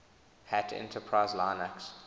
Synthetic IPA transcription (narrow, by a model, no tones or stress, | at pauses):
hætʰɛ̰̃ntʰəpʰɹaɪzlaɪnaks